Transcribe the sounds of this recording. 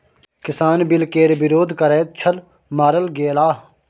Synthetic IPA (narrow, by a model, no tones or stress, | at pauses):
kɪsaːnbɪlkeːɾbɪɾoːd̪ʱkɐɾeːt̪̚t͡ʃʰɐl | maːɾəlɡeːlaː